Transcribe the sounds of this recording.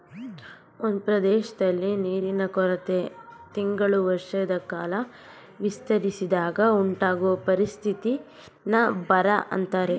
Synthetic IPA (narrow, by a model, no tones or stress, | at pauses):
ond̪upɾɐd̪ɛːʃɐd̪ɐlːiniːɾinɐkɔɾɐt̪e̞t̪iŋɡɐɭuʋɐɾʂɐjɐd̪ɐkaːlɐ | ʋist̪ɐɾisid̪aːɡɐuɳʈaːɡɔʋɐpɐɾist̪ʰit̪i | nɐbɐɾɐʔɐ̰nt̪aːɾe̞